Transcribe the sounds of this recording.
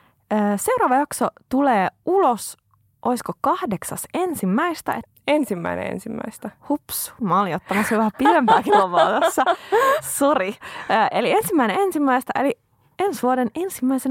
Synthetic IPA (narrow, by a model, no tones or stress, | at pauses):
əːse̞uɾɑːʋɑjɑksot̪uleːulos | ʔoiskokɑhdeksɑsensimːæist̪æ̰e | ensimːæ̰inḛḛnsimːæ̰ist̪æhupsu̥mɑoliot̪ːɑmɑsyʋæhæpiempæːkiloʋɑːt̪osːɑsuriːʔeliensimːæineensimːæist̪æʔeli | ensʋuodenensimːæisen